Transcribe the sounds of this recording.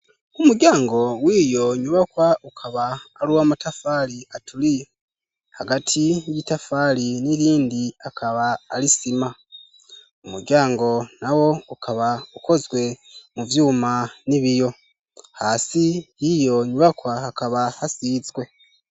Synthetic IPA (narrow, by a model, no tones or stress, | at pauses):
umuɟaːŋɡo̞wiːjo̞ɲuβakwaʔukʰaβaːluwamatafaliatʰuli | haɡatʰijitafaːliniɾiːndiakʰaβaːlisima | umuɾɟaːŋɡo̞nawo̞ukʰaβauko̞zɡwe̞muvjuːmaniβijo̞ | haːsijijo̞ɲuβakwahakaβahasizɡwe̞